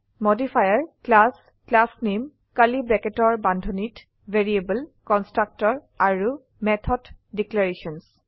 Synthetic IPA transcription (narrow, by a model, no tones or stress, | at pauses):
modifʰajaɹklas | klasnem | kalibɹɛkɛtɔɹbandʱɔnit | veɹiebəlkɔnstɹak̚tɔɹ | aɹu | mɛtʰɔddiklaɹesɔns